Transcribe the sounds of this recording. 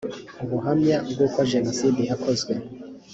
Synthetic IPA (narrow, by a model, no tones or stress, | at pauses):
uβuɦamɲabɡuːkwaʒenosidiɦakʰozɡwe